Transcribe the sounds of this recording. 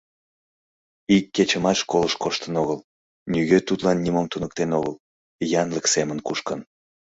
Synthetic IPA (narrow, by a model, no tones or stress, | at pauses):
ikːet͡ɕəmɑʃkoləʃkoʃt̪ənoɣəl | nyɣøt̪ut̪lɑnːimomt̪unək̚t̪enoɣəl | jɑnləksemənkuʃkən